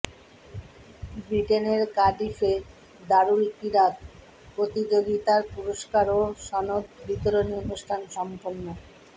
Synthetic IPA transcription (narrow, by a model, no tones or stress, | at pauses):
bɾiʈeneɾkaɖife | d̪aɾuɾkiɾat̪ | pɾot̪id͡ʑoɡit̪aɾpuɾoʃkaɾoʃɔnot̪bit̪oɾonionuʃʈʰanʃɔmponːo